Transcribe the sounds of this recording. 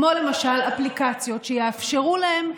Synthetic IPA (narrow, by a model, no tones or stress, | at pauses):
mo̞le̞maʃalaplikat͡sjo̞tʃejeafʃeʁulahe̞m